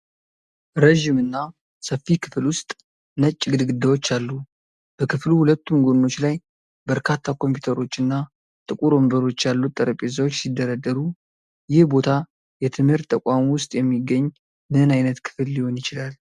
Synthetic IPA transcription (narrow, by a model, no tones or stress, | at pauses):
ɾəʒimɨnːa | səfːikʰɨ̥fɨlwʊst̪ʼ | nət͡ʃʼːɡɨd̪ɡɨd̪ːawot͡ʃːalːu | b̥əkʰɨfluhulət̪ːumɡonːo̞t͡ʃːlaj | bəɾkʰat̪ʰːakʰo̞mpʰjut̪ʰəɾo̞t͡ʃːɨnːa | t̪ʼɨkʼuɾo̞mbəɾo̞t͡ʃːjalːut̪ʼːəɾəpʼezawot͡ʃːsid̪ːəɾad̪ːəɾu | jɪhbo̞t̪ʰa | jɛt̪ʰɨmhɨɾt̪ʼːəkʷʼamwʊst̪ʼjɛmːiɡːəɲː | nɨnajnət̪kʰɨ̥flːiho̞njɪt͡ʃɪlal